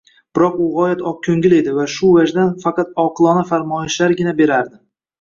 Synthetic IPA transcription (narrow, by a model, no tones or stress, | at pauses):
b̥ɪɾɒqʊʁɒjat̪ɒp̚kʲʰɵŋɡʲɪle̞d̪ɪvaʃʊvad͡ʒd̪anfɑqɑt̪̚ɒqʰɨlˠɒnafaɾmɒɪʃlaɾɡʲɪnabe̞ɾaɾd̪ɪ